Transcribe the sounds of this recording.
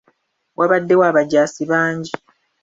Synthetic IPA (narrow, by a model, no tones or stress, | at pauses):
wʔaβadːe̞waːβaɟːaːsiβaːɲɟi